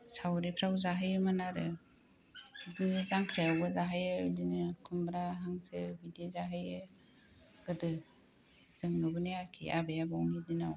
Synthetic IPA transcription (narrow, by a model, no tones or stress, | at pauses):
sawɾipʰɾawzaɦɯjɯmɯnaɾɯ | dinizaŋkʰɾejawbɯzaɦajɯdinɯkʰumbɾaɦaŋsɯ̰bidezaɦajɯ | ɡ̥ɯdɯ | z̥ɯŋnubɯnejakʰḭʔa̰bejabawnidinaw